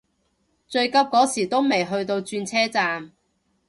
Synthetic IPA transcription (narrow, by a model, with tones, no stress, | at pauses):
t͡ʃɵ˧ɥkɐ˥p̚kɔː˨˥siː˨˩t̪o˥wme˨˩jɦɵ˧ɥt̪o˧wt͡ʃyː˧nt͡sʰɛː˥t͡saː˧m